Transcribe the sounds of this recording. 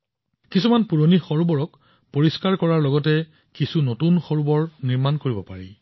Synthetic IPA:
kisumanpuɹonixɔɹubɔɹɔk | poɹiskaɹkɔɹaɹlɔɡɔtɛ | kisunotunxɔɹubɔɹniɹmankoɹibɔpaɹḭ

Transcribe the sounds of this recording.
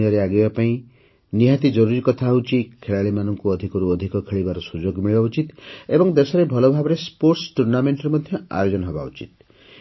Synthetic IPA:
jaɾeaɡibapaĩ | niɦat̪id͡ʒɔɾuɾikɔt̪ʰaɦut͡ʃʰikʰːeɭaɭimanɔŋkuɔd̪ʱikɔɾuɔd̪ʱikɔkʰeɭibaɾɔsud͡ʒoɡmiɭibaut͡ʃit̪ebɔŋd̪esɔɾebʱɔlɔbʱabɔɾespoɾʈsʈuɾnameɳʈɔɾemɔd̪ʱjɔa̰jod͡ʒɔnɔɦɔba̰ṵt͡ʃit̪̚

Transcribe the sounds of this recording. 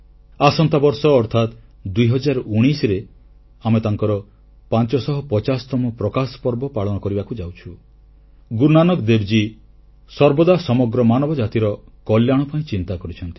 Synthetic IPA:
asɔnt̪abɔɾsɔːɾt̪ʰat̪ | d̪ujɦɔd͡ʒaɾɔuɽ̃isɾe | amet̪aŋkɔɾɔ | pant͡ʃɔsɔɦɔpɔt͡ʃasɔ̥t̪ɔmɔpɾɔkasɔ̥pɔɾbɔpaɭɔnɔkɔɾibakud͡ʒawt͡ʃʰu | ɡuɾnanɔkd̪ebd͡ʒi | sɔɾbɔd̪asɔmɔɡɾɔmanɔbɔd͡ʒat̪iɾɔkɔljaɽ̃ɔpaĩt͡ʃint̪akɔɾit͡ʃʰɔnt̪i̥

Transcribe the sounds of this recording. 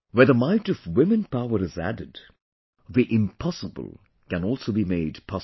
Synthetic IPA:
wəðəmaɪtʌvwɪ̃mɨ̃npaʊəɾɨzæ̰dɨd | ðiʔɪ̃mpʰɑsəbə̰l̩ˠ | kɨ̃nɔlˠsoʊbimeɪdpʰɑ

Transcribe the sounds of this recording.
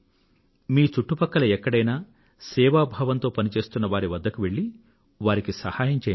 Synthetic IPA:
miːt͡ʃuʈːupɐkːɐlɐɛkːɐɽɐjnaː | sɛːʋaːbʱaːʋɐnt̪o̞ːpɐnit͡ʃe̞ːst̪unːɐʋaːɾiʋɐd̪ːɐkuʋe̞ɭːi | ʋaːɾikisɐhaːjɐɲt͡ʃeː

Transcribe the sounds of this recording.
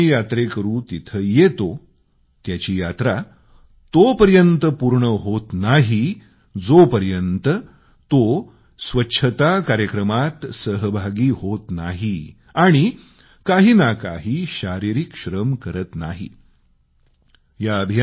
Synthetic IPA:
ijat̪ɾekəɾũːt̪it̪ʰəːjet̪o | t̪jat͡ɕiːjat̪ɾa | t̪opəɾjənt̪əpuɾɳəɦot̪naɦi | d͡zopəɾjənt̪ə | t̪o | sʋətːɕʰət̪akaɾjəkɾəmat̪səɦbʱaɡiːɦot̪naɦi | aɽ̃i | kaɦiːnaka̰ɦiːɕaɾiɾikɕɾəmkəɾət̪na̰ɦḭ | jaəbʱija

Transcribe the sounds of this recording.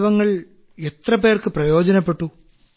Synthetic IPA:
ʋɐŋːɐɭ | et̪rɐpe̞ːrkɨprɐjo̞ːd͡ʑɐnɐpːe̞ʈːu

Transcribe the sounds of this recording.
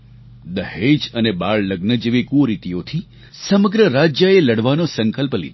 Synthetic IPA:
d̪əɦhed͡ʒənebaɭləɡnəd͡ʒeʋikuɾit̪ijot̪ʰi | səməɡɾəɾad͡ʒjəeləɽʋanosəŋkəlplḭd̪

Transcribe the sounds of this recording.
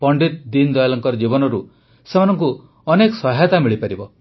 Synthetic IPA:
pɔɳɖit̪̚d̪ind̪ɔjlɔŋkɔɾd͡ʒibɔnɔɾu | semanɔŋku | ɔnekɔsɔɦat̪amiɭipaɾibɔ

